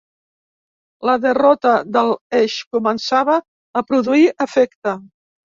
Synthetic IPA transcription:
ləðərɔt̪əðəlˠɛʃkumənsaβəː | pɾuðuiʔəfɛkt̪ə

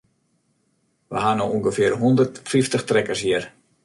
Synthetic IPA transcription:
ʋə̰ɦanouŋɡəfɪərɦɔndərtfiftəxtrɛkərsjiər

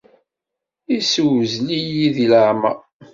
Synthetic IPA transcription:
iswzlijiðiləʕma̰

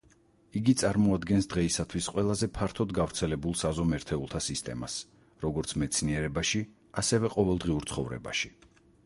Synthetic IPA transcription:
iɡit̪sʼaɾmɔad̪ɡɛnsd̪ʁɛisat̪ʰwisqʼwɛlˠazɛpʰaɾt̪ʰɔd̪ɡavɾt̪sʰɛlɛbulˠsazɔmɛɾt̪ʰɛulˠt̪ʰasist̪ʼɛ̰mas | ɾɔɡɔɾt̪sʰmɛt̪sʰniɛɾɛbaʃi | asɛvɛqʼɔvɛlˠd̪ʁiuɾt̪sʰχɔvɾɛ̰ba̰ʃi̥

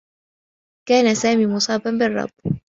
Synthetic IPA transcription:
kaːnasaːmiːmʊsˤɑːbambɪrˤːɑ̰b

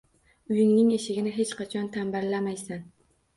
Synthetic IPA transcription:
ʊjɪŋnɪŋeʃɪɡʲɪnɪɦe̞t͡ʃqɑt͡ʃʰɒnt̪ʰamballːamajsan

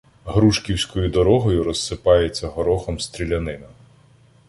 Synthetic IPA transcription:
ɦɾuʃkʲiwsʲkɔjʊd̪ɔɾɔɦɔjʊɾɔsːɪpɑjet͡sʲːɐɦɔɾɔxɔmst̪ɾʲilʲɐnɪnɐ

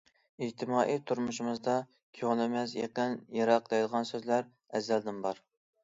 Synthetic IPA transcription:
it̪ʰɪmɑːʔit̪ʰuɾmuʃimɨzd̪ɑ | kʲʰøŋlˠɪmɛsjḛqənjɑɾɑqd̪ɑjd̪əʁɑnsøzlæɾ | ɛzːæld̪ɪmbɑɾ

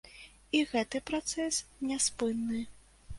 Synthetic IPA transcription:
iɣɛt̪ɨpɾat̪sɛsnʲɛspɨnːɨ

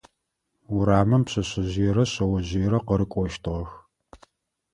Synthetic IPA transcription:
wʊɾaːmɐmpɕɐɕɪʑɪjɛɾɐɕɐwɐʑijɛɾɐqəɾɨkʷʼɔʃtʰɨʁɐx

